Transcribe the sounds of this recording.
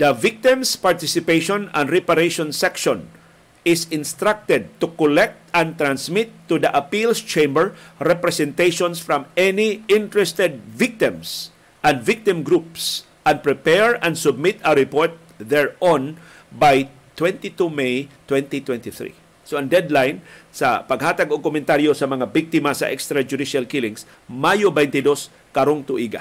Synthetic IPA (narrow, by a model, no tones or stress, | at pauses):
d̪ɐvɪk̚t̪ɪ̃mspaɹt̪ɪsɪpeʃɔ̃nãnd̪ɹɛpaɾeʃɔ̃nsɛkʃɔ̃n | ɪsɪ̃nst̪ɾak̚t̪ɛd̪̚t̪ukɔlɛk̚t̪ɛ̃nt̪ɾãnsmɪt̪ːud̪ɐʔɐpilst͡ʃẽjmbɛɹɹɛpɾɛsɛ̃nt̪ejʃɔ̃nsfɹɔ̃mɛniɪ̃nt̪ɹɛst̪ɛd̪̚vɪk̚t̪ɪ̃ms | ʔɐ̃nvɪk̚t̪ɪ̃mɡɾups | ʔɐ̃n̚pɹɛpɛɹɐ̃nd̪sʊb̚mɪt̪ɐɾɪpoɹt̪̚ | ðɛɹɔ̃n | baj | t̪wɛ̃nt̪it̪umejt̪wɛ̃nt̪it̪wɛ̃nt̪ɪθɹḭ | soɐ̃nd̪ɛd̪lajnsɐ̰pɐɡhaːt̪aɡokʊmɛ̃nt̪aɾjosɐmɐŋabɪk̚t̪ɪmasɐ̰ʔɛkst̪ɾɐd͡ʒʊd̪iʃalkɪlɪ̃ŋs | majobɛjnt̪ɪd̪os | kɐɾoŋt̪ʊʔiɡa̰